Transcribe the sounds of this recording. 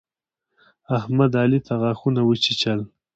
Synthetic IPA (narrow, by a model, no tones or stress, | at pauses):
ahmad̪ɑːlit̪ʰaɣɑxunawət͡ʃit͡ʃal